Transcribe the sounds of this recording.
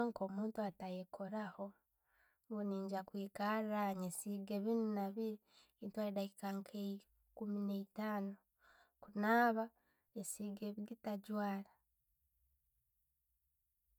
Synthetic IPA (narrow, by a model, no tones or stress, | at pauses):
ŋko̞muːntuatajekʰoɾaho | ŋɡuniːɲɟakwiːkaraɲesiɡeβinunaβiɾiintwaidahikaŋkʰe | kumineitaːno | kunaːβa | esiɡeβiɡitaɟwaːla